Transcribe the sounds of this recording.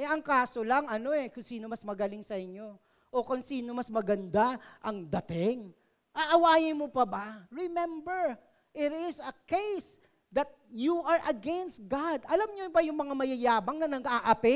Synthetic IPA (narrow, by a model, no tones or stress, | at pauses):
ʔɛʔɐŋkaːso̞lɐŋʔɐno̞ɛkʊŋsiːno̞mɐsmɐɡɐlɪŋsɐʔɪɲːo̞ | ʔokʊŋsiːno̞mɐsmɐɡɐnd̪aʔɐŋd̪ɐt̪ɪŋ | ʔaʔɐwaːjɪnmopɐbaɹɛmɛ̃mbɛɹ | ʔɪɾɪsɐkejs | d̪ɐt̪̚juɐɹʔɐɡɛnst̪̚ɡad̪ʔɐlamɲobɐjʊŋmɐŋamɐjɐjaːbɐŋnɐnɐɡaːʔɐpɪ